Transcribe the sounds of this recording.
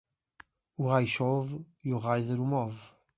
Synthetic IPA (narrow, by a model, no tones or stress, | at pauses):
uʁajʃov | iuʁajzɛɾumɔv